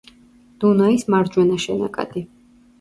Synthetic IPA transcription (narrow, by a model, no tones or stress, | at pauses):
d̪̥unɔismaɾd͡ʒwɛnaʃɛnakʼa̰d̪̥i